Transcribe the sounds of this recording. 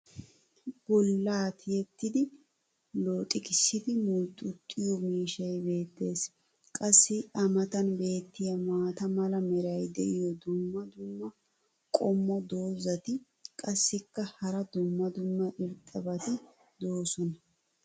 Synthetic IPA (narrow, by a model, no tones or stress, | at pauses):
b̥ɔlːaːt̪ɪjɛt̪ːɪd̪ɪ | lo̞ːt̪ʼɪkɪsːɪd̪ɪmʊlt̪ʼːʊt̪ʼːɪjɔmiːʃɐjbe̞ːt̪ːe̞ːs | kʼɐsːɪʔɐmɐt̪ɐnbe̞ːt̪ːɪjɐmaːt̪ɐmɐlɐmɛɾɐjd̪ɛʔɪjɔd̪ʊmːɐd̪ʊmːɐ | kʼɔmːɔd̪o̞ːzɐt̪ɪ | kʼɐsːɪkːɐhɐɾɐd̪ʊmːɐd̪ʊmːɐʔɪɾt̪ʼːɐbɐt̪ɪ | d̪o̞ːsɔnɐ